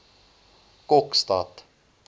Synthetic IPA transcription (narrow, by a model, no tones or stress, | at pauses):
kokst̪at̪